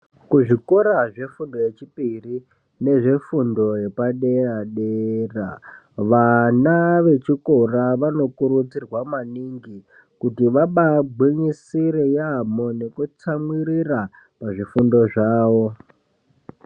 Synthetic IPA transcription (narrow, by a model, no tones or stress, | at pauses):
kuʐikoɾaʐe̞fundoje̞t͡ʃipiri | ne̞ʐe̞fundo̞je̞paɗeraɗera̰ | ʋanaʋe̞t͡ʃiko̞raʋano̞kuɾut͡sirwamaniŋɡi | kutiʋaɓaɡ͡bwiɲisiɾejamone̞kut͡samwiɾira | paʐifundo̞ʐaːʋo̞